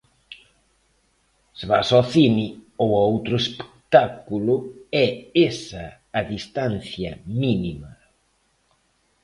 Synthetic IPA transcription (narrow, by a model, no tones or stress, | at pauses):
sβasɔθiniowowt̪ɾʊespe̥k̚t̪akulʊɛesɐː | ðist̪an̟θjɐminimɐ